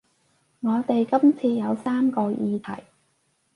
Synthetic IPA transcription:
ŋɔː˨˧t̪e˨jkɐ˥mt͡sʰiː˧jɐ˨˧wsaː˥mkɔː˧jiː˧t̪ʰɐ̰˨˩j

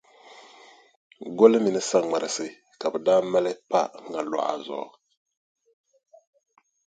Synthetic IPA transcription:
ɡo˦lɨ˦mi˨nɨ˦sa˦ŋ͡ma˨ɾɨ˨sɨ˦ | ka˨bə˨da˦mɛ˦lɛ˦pa̰˦ŋɡa˨lwa̰˨a̰˨zɔ̰˨˦˨

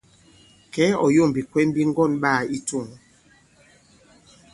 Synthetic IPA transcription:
kɛ˨˦ɔ˨jo˦˨m˨bi˨kwɛ˦m˦bi˦ŋ˦ɡɔ˦˨nɓaː˦˨i˦to˦˨ŋ

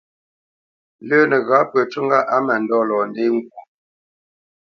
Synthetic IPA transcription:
ləː˦nə˨ɣa˨˦pə˨t͡ʃu˦ŋ˦ɡa˦ʔa˨˦ma˨n˨dɔ˦lɔː˨nde˦ŋ˨ɡ̚wu˨

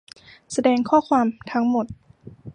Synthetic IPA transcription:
sa˧dɛː˧ŋkʰɔː˥˩kʰwaː˧mt̪ʰa˦˥ŋmo˨˩t̪̚

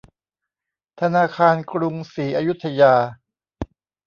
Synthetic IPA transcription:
t̪ʰa˧naː˧kʰaː˧nkʰɾu˧ŋsiː˩˦ʔa˧ju˦˥t̪ʰːa˧jaː˧

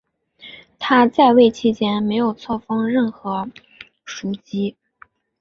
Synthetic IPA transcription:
t̪ʰa˥t͡sa˥˧ɪwe˥˩ɪt͡ɕʰi˥t͡ɕʰjɛ˥nme˧˥ɪjo˨˩ʊt͡sʰwɔ˥˩fɑ˥ŋɻə˥˩nxɤ˧˥ | ʂu˧˥˩t͡ɕi˥

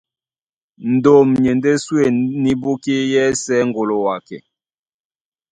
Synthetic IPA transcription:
n̩˨do˨mɲe˨nde˦swe˨ni˦bo˦ke˦jɛ˦sɛː˦ŋɡo˨lo˨wa˨kɛ̰˨

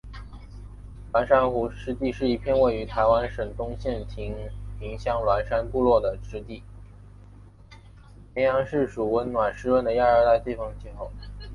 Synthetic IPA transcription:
lwa˧˥nʂa˥nxu˧˥ʂɻ̩˥t̪i˥˧ʂɻ̩˥˧i˥˩pʰjɛ˥˧nwe˥˩ɪy˧˥t̪ʰa˧˥ɪwa˥nʂə˨˩ŋt̪ʊ˥ŋɕjɛ˥˩nt̪ʰi˧˥ŋʰi˧˥ŋɕjɑ˥˩ŋlwa˧˥nʂa˥npu˥˧lwɔ˥˩d̪ə˩ʈ͡ʂɻ̩˥t̪i˥˩ | jɛ˧˥njɑ˧˥ŋʂɻ̩˥˩ʂu˨˩wə˥nnwa˨˩nʂɻ̩˥wə˥˩nd̪ə˩ja˥˧ə˞˥˧t̪a˥˧ɪt̪i˥˩fɤ˥˧ŋt͡ɕʰi˥˧xo˥˩ʊ

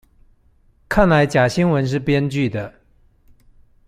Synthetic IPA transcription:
kʰa˥˩nla˧˥ɪt͡ɕja˨˩ɕi˥ŋwə˧˥nʂ̬ɻ̩˥˩pjɛ˥nt͡ɕy˥˩d̪ə˩

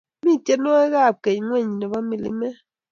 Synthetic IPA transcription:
mi˦˨te˦nɔ˦ɛ˦ɣa˦˨p̚ke˨ɲ˨˦ŋwɛ˦˨ɲi˨nɔ˨βa˦mi˨lḭ˦mɛ˦

